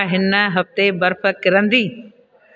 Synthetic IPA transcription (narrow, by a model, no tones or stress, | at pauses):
ɦɪnəɦɐft̪ebɐɾfʰə̆kɪɾə̃nd̪iː